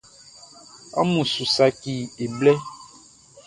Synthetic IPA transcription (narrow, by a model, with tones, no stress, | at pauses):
ɔ̰˦mũ˨su˨sa˨ki˨e˨blɛ˦